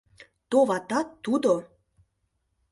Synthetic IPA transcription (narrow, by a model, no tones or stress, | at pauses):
t̪oβɑt̪ɑt̪ːud̪o